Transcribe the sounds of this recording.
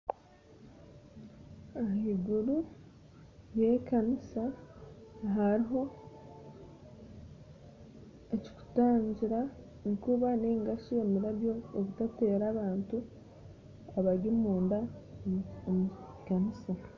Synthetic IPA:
aiɡuɾu | jekanisa | ɦaɾiɦo̞ | eci̥ku̥taːɲɟiɾa | nikuβaneːŋɡasuemiɾaβjo̞ːkutate̞ːɾaːβaːntu | aβaɟimuːnda | mu | kanisa

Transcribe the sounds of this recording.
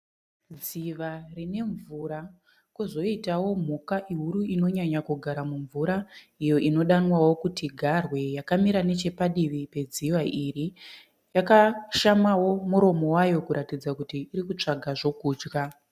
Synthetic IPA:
d͡ziʋarine̞ɱvuːɾa | kuzo̞itawo̞m̤ukaʔiɦuɾuino̞ɲaɲakuɡʱaɾamuɱvuɾa | ijo̞ʔino̞ɗanwawo̞kutiɡʱarwe̞jakamiɾane̞t͡ʃe̞paɗiʋipe̞d͡ziwaʔiɾi | jakaʃamawo̞muɾo̞mo̞wajo̞kuɾʔatid͡zakutiːɾikut͡ʂaɡʱaʐo̞kuːd͡ʒka

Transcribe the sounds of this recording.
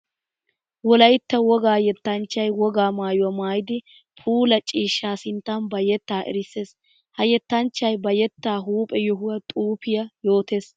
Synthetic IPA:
wɔlɐjt̪ːɐwɔɡaːjɛt̪ːɐnt͡ʃːɐjwɔɡaːmaːjʊwɐmaːjɪd̪ɪ | pʰuːlɐt͡ʃʼiːʃːaːsɪnt̪ːɐnbɐjɛt̪ːaːʔɛ̰ɾɪsːe̞ːs | hɐjɛt̪ːɐnt͡ʃːɐjbɐjɛt̪ːaːɦuːpʼɛjɔɦʊwɐt̪ʼuːpɪjɐjo̞ːt̪e̞ːs

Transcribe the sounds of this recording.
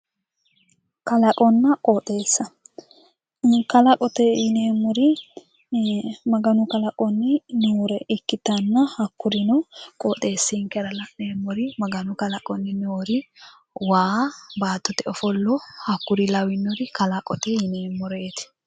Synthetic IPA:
kɐlɐkʼɔnːɐkʼɔːt̪ʼe̞ːsːɐ | ɪŋkɐlɐkʼɔt̪ɛjɪneːmːɔɾɪ | mɐɡɐnʊkɐlɐkʼɔnːɪnuɾɛɪkːɪt̪ɐnːɐhɐkːʊɾɪnɔkʼɔːt̪ʼːe̞ːsːɪŋkɛɾɐlɐneːmːɔɾɪmɐɡɐnʊkɐlɐkʼɔnːɪnoɾɪ | waːbaːt̪ːɔt̪ɛɔfɔlːɔhɐkːʊɾɪlɐwɪnːɔɾɪkɐlɐkʼɔt̪ɛhɪneːmːɔɾeːt̪ɪ̥

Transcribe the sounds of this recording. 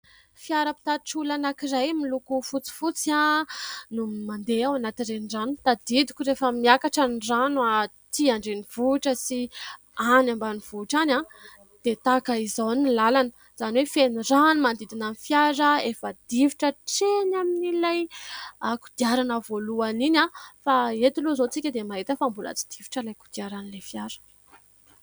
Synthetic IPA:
fiaɾəpi̥t̪aʈ͡ʂulanakirajmilukufut͡si̥fut͡sa | numand̪eawanat̪irenranut̪ad̪id̪i̥kʲurefəmiakaʈ͡ʂaniranua | t̪iaɳɖ͡ʐeniv̥uʈ͡ʂəsi | anambaniv̥uʈ͡ʂana | d̪̥et̪akəizawnilalanə̥ | z̥aniwefeniranumand̪id̪inamifjaɾəefəd̪̥iviʈ͡ʂəʈ͡ʂenaminilajaku̥d̪̥iaɾanəvoluaninʲafaet̪iluzot͡sikʲəd̪emaɦit̪əfambula̰t͡si̥d̪̥ivi̥ʈ͡ʂəlajku̥d̪iaɾanilefjaɾə̥

